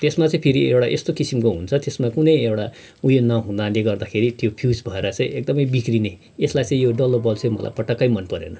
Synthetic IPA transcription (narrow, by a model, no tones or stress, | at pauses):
t̪esmat͡sʌ̃ĩpʰiɾiewɽa̰ʔḛst̪okisimkoɦunt͡sʰʌt̪esmakunʌjewɽa | ujenʌɦũnd̪aneɡʌrd̪akʰeɾit̪jopʰjud͡zbʱʌeɾʌt͡sʌ̃ĩek̚d̪ʌmʌjbikrine | eslajt͡sʌ̃ĩjoɖʌlobʌlt͡sʌj̃mʌla̰jpʌʈːʌkːʌjmʌnpʌɾḛnʌ